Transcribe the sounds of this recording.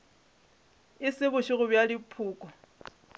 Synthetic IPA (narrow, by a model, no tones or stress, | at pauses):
ɪsɪβʊʃɪɣʊbjalipʰuːkʼɔ